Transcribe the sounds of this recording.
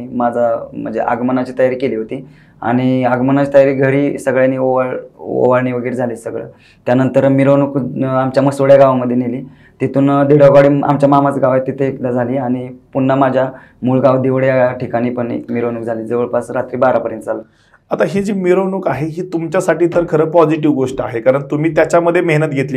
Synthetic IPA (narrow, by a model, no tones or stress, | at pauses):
mad͡zʱam̤ə̰ɳd͡zḛʔa̰ɡmənat͡ɕiːt̪əjaɾiːkeliːɦot̪iː | a̰ɽ̃iaɡmənat͡ɕiːt̪əjaɾiːɡʱəɽiːsəɡɭjaniːoʋaɭo̰ʋaɭniːʋəɡiːɾd͡zʱaliːsəɡɭə̰ | t̪janənt̪əɾmiɾonuːkamt͡ɕjaməɡsʋəɭjaɡaʋaməd̪ʱjeniliː | t̪it̪uːnd̪eɽʋaɡaɽiːa̰mt͡ɕjamam̤at͡sɡaʋaet̪it̪ekd̪ad͡zʱaliːaɽ̃ipunːamad͡ʑʱja | muːlɡaʋd̪iʋəɽjaʈʰikaɽ̃iːpəɳḛkmiɾonuk̚d͡zʱaliːd͡zəʋəɭpasɾat̪ɾiːbaɾapəɾjənt̪̚d͡zalə | at̪aɦid͡ʑiːmiɾonuːkaɦeɦiːt̪umt͡ɕjasaʈiːt̪əɾkʰəɾəːpɔd͡ziʈiʋɡoʂʈəaɦekaɾəɳt̪umiːt̪jat͡ɕjaməd̪ʱːjemeɦnət̪̚ɡʱet̪liː